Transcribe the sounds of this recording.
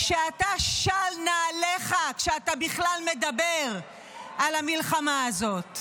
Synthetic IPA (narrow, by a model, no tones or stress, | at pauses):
kʃeataʃalnaleχakʃeatabiχlalme̞dabeʁ | alamilχamaːzo̞t̪